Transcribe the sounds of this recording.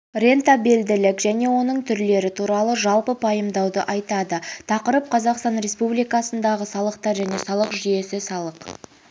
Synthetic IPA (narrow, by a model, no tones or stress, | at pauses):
rʲe̞nt̪abeld̪ɪlɪkʒæne̞wo̞nəɴt̪ʰʏɾle̞ɾɪt̪ʰuɾɑlˠəʒɑlˠpəpʰɑjəmd̪ɑwd̪əʔɑjt̪ɑd̪ət̪ʰɑqəɾəp̚qʰɑzɑqst̪ɑnɾe̞spublijkɑsənd̪ɑʁəsɑlˠəqt̪ɑɾʒæne̞sɑlˠəqʒʏje̞sɪsɑlˠəq